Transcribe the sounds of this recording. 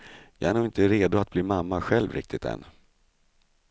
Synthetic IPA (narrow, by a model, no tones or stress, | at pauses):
jɑːæɾɳuːɪnt̪əɾeːd̪ʊat̪̚bliːmamːaɧɛlvɾɪ̰k̚t̪ɪt̪ɛ̰nː